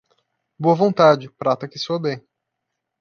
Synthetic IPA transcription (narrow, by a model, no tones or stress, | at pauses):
boɐvõnt̪ad͡ʒɪpɾat̪ɐkɪsoɐbẽj̃